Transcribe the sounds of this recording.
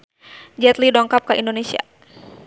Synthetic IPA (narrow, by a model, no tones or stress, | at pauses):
d͡ʒɛt̪lidɔŋkap̚kəʔindonesia̰